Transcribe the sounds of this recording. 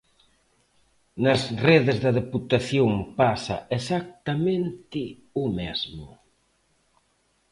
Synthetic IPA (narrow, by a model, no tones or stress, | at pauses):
nɐzreðɪzðɐðeput̪aθjoŋpasɐ̰esak̚t̪amẽnt̪ɪ | ʊmezmʊ̰